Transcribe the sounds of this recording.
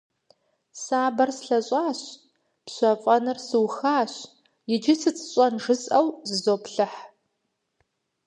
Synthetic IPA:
saːbɐrsɬɐɕʼaːɕ | pɕʷɐfʼɐnɨrsɨwxaːɕ | jɪd͡ʒɪsɨt͡sʰʼɕʼɐnʐɨsʼɐwzɨzoːpɬɨħ

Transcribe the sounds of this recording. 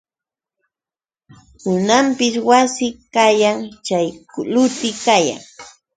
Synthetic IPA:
hʊnampɪswasɪkajaŋt͡ʃajklʊt̪ɪkaja̰ŋ

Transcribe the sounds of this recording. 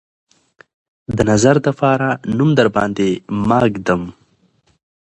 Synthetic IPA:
d̪ənazaɾd̪əpɑːɾanumd̪aɾbɑ̰ːnd̪emɑːɡd̪əm

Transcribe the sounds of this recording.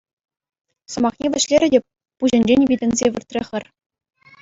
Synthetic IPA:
sɤ̆mɑχnʲeʋʲɘ̆ɕlʲeɾʲɘ̆dʲe | puʑɘ̆nʲd͡ʑenʲvʲidʲɘ̆nʲzʲeʋʲɘ̆rt̪ʲrʲeχʲɘ̆rʲ

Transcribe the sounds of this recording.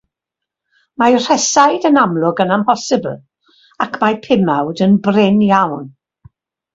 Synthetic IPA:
majr̥ɛsajdənamlˠʊɡənampʰɔsɪbə̰lˠ | akʰmajpʰɪmawdənbrɪnjawn

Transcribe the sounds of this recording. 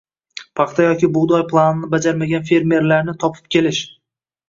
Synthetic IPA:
pʰɑχt̪ʰajɒkʲɪbʊd̪ɒjpʰlˠanɪnɪbad͡ʒaɾmaɡʲanfe̞ɾme̞ɾlaɾnɪt̪ʰɒpʰɪ̥p̚kʲe̞lɪʃ

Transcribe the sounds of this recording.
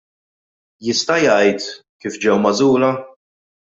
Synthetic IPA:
jɪst̪ɐjɐjt̪kiːfd͡ʒɛwmɐzuːlɐ

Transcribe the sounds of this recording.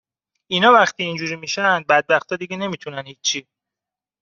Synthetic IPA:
inɒːvæxt̪ʰiːnd͡ʒuɾimiʃænd̪̚bæd̪̚bæxt̪ʰɒːd̪iɡene̞miːt̪ʰunænhiːi

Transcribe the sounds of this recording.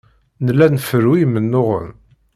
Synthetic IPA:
nəlænfəɾuijmənːʊʁə̰n

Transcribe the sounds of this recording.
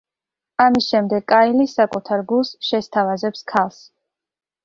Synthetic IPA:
amisʃɛmd̪ɛɡkʼailisakʼut̪ʰaɾɡulˠsʃɛst̪ʰavazɛpskʰalˠs

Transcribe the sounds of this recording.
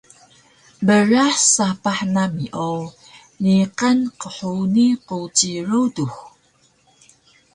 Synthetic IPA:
bəɾaħsapaħnamiʔo | niqənqəħuniqut͡ɕiɾudux

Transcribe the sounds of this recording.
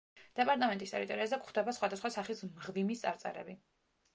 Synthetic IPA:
d̪̥ɛpʼaɾt̪ʼamɛnt̪ʼist̪ɛɾit̪ʼɔɾiazɛkχd̪ɛbasχwad̪asχwasaχismʁvimist̪sʼa̰ɾt̪sʼɛ̰ɾɛ̰bi

